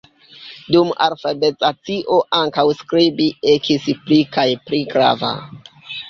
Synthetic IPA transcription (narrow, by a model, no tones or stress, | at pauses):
duma̰lfabet͡sat͡siʔoʔaŋkawskɾibiekʰisplikajpliɡɾa̰va̰